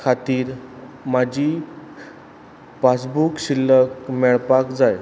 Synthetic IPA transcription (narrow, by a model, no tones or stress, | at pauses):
kʰat̪iːɾ | mad͡ʑʱiː | pas̬bukɕilːəkmɛɭpakd͡zaj